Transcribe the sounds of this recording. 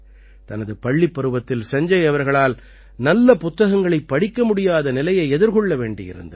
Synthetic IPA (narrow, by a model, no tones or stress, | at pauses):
t̪ɐnɐðɯpɐɭːipːɐɾɯʋɐt̪ːɪlsɐɲd͡ʒɐɪɐʋɐɾɣɐɭaːl | nɐlːɐpʊt̪ːɐɣɐŋɡɐɭɐɪpːɐɽɪkːɐmʊɽɪjaːðɐnɪlɐjɐɪɛðɪɾkɔɭːɐʋeːɳɖɪ̰jɪ̰ɾɯ̰nd̪ɐ